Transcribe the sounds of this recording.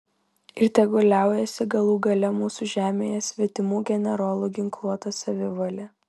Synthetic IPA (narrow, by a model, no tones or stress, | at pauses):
ɪɾʲt̪ʲɛɡʊlʲæˑʊjɛsʲɪɡɐlˠuːɡɐlʲɛmuːsuʒʲæːmʲeːjɛsʲʋʲiɛt̪ʲɪmuːɡʲɛnʲɛɾoːlˠuːɡʲɪŋklˠuɔt̪ɐsɐʋʲɪʋɐlʲɛ